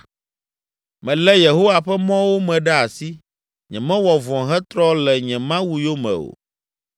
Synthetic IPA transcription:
mɛ̃˨lɛ˦je˨ɦo˦wa˨ɸɛ˦mɔ̃˦wo˦mɛ̃˨ɖɛ˦a˨si˦ | ɲɛ̃˨mɛ̃˦wɔ˨vɔ̃˨ɦɛ˦t̪ɾɔ˦lɛ˨ɲɛ̃˨mã˦wu˦jo˦mɛ̰̃˨o̰˨

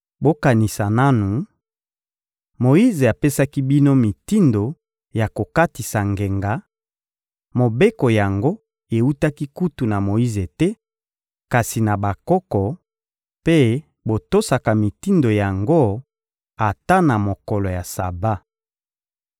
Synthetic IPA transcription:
bo˦ka˨ni˨sa˨na˦nu˨ | mo˨i˦ze˨a˨pe˦sa˦ki˦bi˦no˦mi˨ti˦ndo˨ | ja˨ko˨ka˦ti˨sa˨ŋɡe˨ŋɡa˨ | mo˨be˦ko˨ja˨ŋɡo˦ | e˨u˦ta˦ki˦ku˦tu˨na˨mo˨i˦ze˨tɛ˦ | ka˨si˨na˨ba˨kɔ˦kɔ˨ | pe˦ | bo˨to˦sa˨ka˨mi˨ti˦ndo˨ja˨ŋɡo˦ | a˨ta˦na˨mo˨kɔ˨lɔ˨ja˨sa˨ba˦

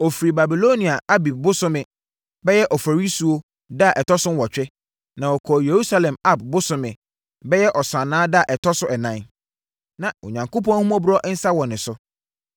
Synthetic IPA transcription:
ɔ˨fi˨ɾi˨ba˨bi˨lo˦nĩ˨a˨a˦bi˨b̚bʊ˦sʊ̃˦mɪ̃˨ | bɛ˦jɛ˦ʔɔ˨fa˨ɾi˦su˨o˦ | da˦˨ʔɛ˨tʰɔ˦sʊ̃˦m˦wɔ˨t͡ɕᶣɛ˦ | nã˨wɔ˨kʰɔ˨je˨ɾu˦sa˦lɛ̃˨ma˦˨b̚bʊ˦sʊ̃˦mɪ̃˨ | bɛ˦jɛ˦ʔɔ˨sã˨nãː˦da˦˨ʔɛ˨tʰɔ˦sʊ˦ʔɛ˨nã˦n | nã˨o̰˨ɲã˨ŋko˦pɔ̃˦n˦hũ˦ɔ̃˦bu˦ɾɔ˦ʔn̩˦sa˦wɔ˨nɪ̃˨sʊ˦

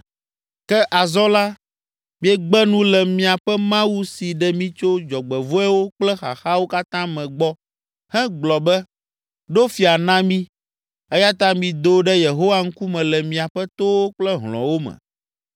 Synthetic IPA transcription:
kɛ˦ʔa˨zɔ˦la˦ | mĩ˦ɛ˦ɡ͡bɛ˦nũ˦lɛ˨mĩ˨a˨ɸɛ˦mã˦wu˦si˨ɖɛ˦mĩ˦t͡ʃo˦d͡ʒɔ˨ɡ͡bɛ˨vo˦ɛ˦wo˦k͡plɛ˦xa̰˨xa˦wo˦ka˦t̪ã˦mɛ̃˨ɡ͡bɔ˦ | hɛ̃˦ɡ͡blɔ˨bɛ˦ | ɖo˦fi˨a˨nã˦mĩ˦ | ɛ˦ja˦t̪a˦mĩ˨d̪o˨˦ɖɛ˦je˨ɦo˦wa˦ŋ̩˦ku˦mɛ̃˨lɛ˨mĩ˨a˨ɸɛ˦t̪o˦wo˦k͡plɛ˦ɦlɔ̰̃˨wo˦mɛ̰̃˨

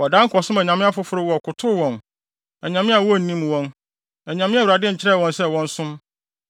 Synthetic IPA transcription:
wɔ˨dã˦ŋ˦kʰɔ˨sʊ̃˦mɛ̃˨ɲã˨mɪ̃˦a˦fʊ˦fʊ˦ɾʊ˦wɔ˨kʰʊ˨tʰʊ˦wɔ̃˨n | ɛ˨ɲã˨mɪ̃˦a˨wɔ˦˨n̩˨nĩ˦m˨wɔ̃˦n | ɛ˨ɲã˨mɪ̃˦a˦˨wu˨ɾa˨dɪ˦ɲ̩˨t͡ɕʰɪ˦ɾɛ˦˨wɔ̃˦nsɛ˦wɔ̃˦n˦sʊ̃˦m

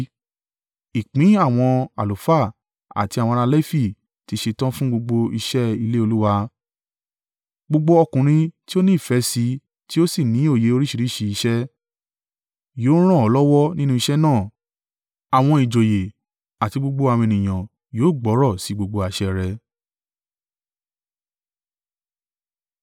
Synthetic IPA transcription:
i˨k͡pĩ˨˦a˦˨w̃ɔ̃˧a̰˨lo˨fa˦˨ | a̰˨ti˧a˨wɔ̃˧ɾ̃ã˧lɛ˦fi˦˨ | ti˨˧˦ʃe˧tã˦fũ˦ɡ͡bo˧ɡ͡bo˧i˧ʃɛ˦i˧le˦o˧lu˦wa˧ | ɡ͡bo˧ɡ͡bo˧ɔ˧kũ˨ɾ̃ĩ˧ti˦o˦nĩ˦˨fɛ˨˦si˧˦ | ti˦o˦si˦˨nĩ˨˦o˦˨je˨˦o˧ɾi˦ʃi˧ɾi˦ʃi˧i˧ʃɛ˦ | joː˨˦ɾ̃ã˦ɔ˨˧˦lɔ˦wɔ˦nĩ˦nũ˦i˧ʃɛ˦nãː˦˨ | a˨w̃ɔ̃˧i˨d͡ʒo˨je˨ | a˨ti˧ɡ͡bo˧ɡ͡bo˧a˧˨w̃ɔ̃˧e˧˨nĩ˨j̃ã˨ | joː˨˦˨ɡ͡bɔ˨˦ɾɔ˦˨si˨˦ɡ͡bo˧ɡ͡bo˧a˨˧ʃɛ˧ɾɛ˧

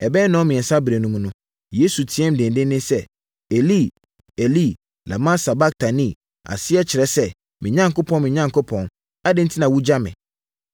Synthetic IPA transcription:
ɛ˨bɛː˦nɔ̃˦mɪ̃˨ɛ˨sa˦bɾe˨nũ˦mũ˦nʊ̃˦ | je˦su˨tʰi˨˦ɛ̃˦m˨dɪ̃˨ndɪ̃˦ɪ̃˦sɛ˦ | e˨li˦˨ | e˨li˦˨ | la̰˨mã˦sa˨ba˦k̚tʰa˨nĩ˦˨ | a̰˨sɪ˦ɛ˦t͡ɕʰɪ˨ɾɛ˦sɛ˦ | mɪ̃˨ɲã˦ŋkʊ˦pʰɔ̃˦nmɪ̃˨ɲã˦ŋkʰʊ˦pʰɔ̃˨n | a˦dɪ˦n̩˦tʰi˦nã˨wu˦d͡ʑa˦mɪ̰̃˨

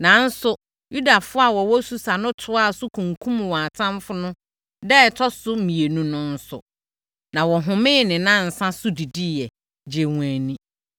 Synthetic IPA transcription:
nã˨˦n̩˦sʊ˨ | ju˦da˨fʊ˦a˨wɔ˨wɔ˦su˨sa˨nʊ̃˦tʰʊ˦a˦˨sʊ˦kʰũ˨ŋkʰũ˦m˨wɔ̃˨a˨tʰã˦mfʊ˦nʊ̃˦ | dɛ˦˨tʰɔ˦sʊ˦mĩ˨e˨nũ˦nʊ̃˦n̩˦sʊ̰˨ | nã˨wɔ˨ɦʊ̃˨mɪ̃˦˨nɪ̃˨nã˦˨n̩˨sã˦sʊ˦di˨di˦jɛ˨ | d͡ʑe˨wã˨nĩ˦

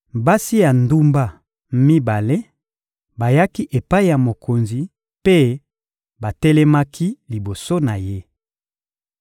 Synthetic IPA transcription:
ba˦si˦ja˨ndu˦mba˦ | mi˦ba˨le˦ | ba˨ja˦ki˦ʔe˨pa˦i˦ja˨mo˨kʰo˨nzi˨ | pe˦ | ba˨tɛ˦lɛ˦ma˦ki˦li˨bo˨so˦na˨je˦

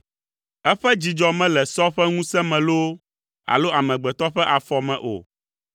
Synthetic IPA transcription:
ɛ˦ɸɛ˦d͡ʑi˨d͡ʒɔ˨mɛ̃˦lɛ˨sɔ˦ɸɛ˦ŋũ˦sɛ˦mɛ̃˨lo˦ | a̰˨lo˦ʔa˨mɛ̃˨ɡ͡bɛ˨t̪ɔ˦ɸɛ˦ʔa˨fɔ˨mɛ̃˨ʔo̰˨

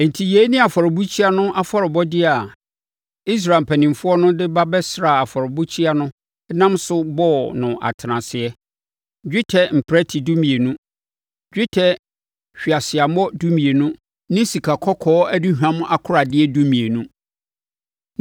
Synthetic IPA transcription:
n̩˨tʰi˨jeː˨˦nɪ̃˦a˨fɔ˨ɾɪ˨bu˦t͡ɕʰi˦a˦nʊ̃˦ʔa˦fɔ˦ɾɪ˨bɔ˦dɪ˦a˨ | i˦s̬ɾa˨m̩˨pʰæ˨nĩ˨m˨fʊ˦ɔ˦nʊ̃˦dɪ˦ba˦bɛ˦sɾa˨a˨fɔ˨ɾɪ˨bu˦t͡ɕʰi˦a˦nʊ̃˦ | nã˦msʊ˦bɔ˦nʊ̃˨ʔa̰˨tʰɪ˨nã˨sɪ˨ɛ˦ | d͡ʑᶣɪ˦tʰɛ˨m̩˨pʰɾæ˦tʰi˨du˦mĩ˨e˨nũ˦ | d͡ʑᶣɪ˦tʰɛ˦ | ɕᶣi˨a˨sɪ˨a˨mɔ˦du˦mĩ˨e˨nʊ̃˦ | nɪ̃˦si˨kʰa˨kʰɔ˦kʰɔː˦æ˦di˦hᶣã˦mʊ̃˦ʔa˦kʰʊ˦ɾa˨dɪ˦ɛ˦du˦mĩ˨e˨nũ˦

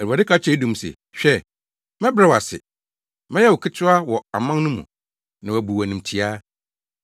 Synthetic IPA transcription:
ɛ˨ɾu˨a˨dɪ˦kʰa˦t͡ɕʰᶣɛ˦dũ˨m˨sɛ̰˨ | ɕᶣɛ˦ | mɛ̃˦bɾa˦˨wa̰˨sɪ̰˨ | mɛ̃˦jɛ˦wɔ˨kʰɪ˦tʰʊ˦a˦wɔ˨a̰˨mã˦n˦nʊ̃˦mṵ̃˨ | nã˨æ˨bu˨wæ˨nĩ˨mtʰi˨a˦

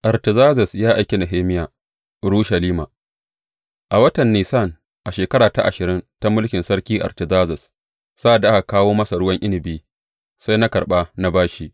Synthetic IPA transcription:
ʔa˨ɾtɪ˨zaː˦zɐ˨sjaː˦ʔa˨jkʲe˨na˨ɦeː˦mɪ˦jaː˨ | ɽuː˦ʃɐ˨liː˦maː˨ | ʔa˨wɐ˦tɐ˨nːiː˨sa˦˨n | ʔa˨ʃeː˨kɐ˦ɽaː˨ta̰˦ʔa̰˨ʃɪ˨ɾɪ˦nta˦mʊ˦lkʲɪ˨nsɐ˦ɽkʲiː˦ʔa̰˨ɾtɪ˨zaː˦zɐ˨s | sa˦ʔa˨da˨ʔa˦ka˨kaː˦woː˦mɐ˦sa˨ɽʊ˦wɐ˦ŋʔɪ˦nɪ˨biː˦ | sa˦jna˦kɐ˨ɓaː˦na˦baː˦ʃi˦ʔ

